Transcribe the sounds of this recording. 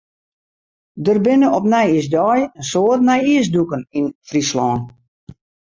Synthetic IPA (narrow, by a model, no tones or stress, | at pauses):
dərbɪnəɔpnɛjisdɔjənsoətnɛjiəs̬dukəninfrislɔːn